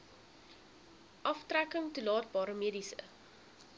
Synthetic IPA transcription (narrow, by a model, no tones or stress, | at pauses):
ʔɐftrækəŋtulɑːt̚bɑːɾəmiədisə̰